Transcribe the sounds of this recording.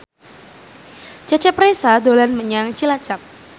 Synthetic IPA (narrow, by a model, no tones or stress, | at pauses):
t͡ʃat͡ʃɛpɾesad̪olanməɲaŋt͡ʃilat͡ʃap̚